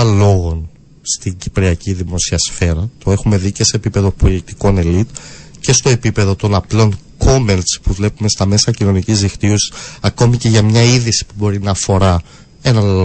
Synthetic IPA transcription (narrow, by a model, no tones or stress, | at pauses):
ɐlo̞ɣo̞n | st̪iɲɟipɾiɐciðimo̞siɐsfe̞ɾɐt̪oe̞xume̞ðice̞se̞ːpipe̞ðo̞pojek̚t̪i̥ko̞ne̞lit̪ce̞st̪o̞e̞pipe̞ðo̞t̪o̞nɐplo̞ŋ | ko̞melt͡spuvle̞pume̞st̪ɐme̞sɐcino̞nicizðixt̪iosi̥sɐko̞mice̞ʝɐmɲɐiðisi̥pubo̞ɾinɐːfo̞ɾɐ | e̞nɐ